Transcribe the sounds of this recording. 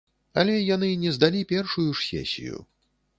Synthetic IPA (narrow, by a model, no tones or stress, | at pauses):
ɐ̰lʲɛjanɨnʲɛzd̪alʲipʲɛrʂujuʂsʲɛ̰sʲḭjṵ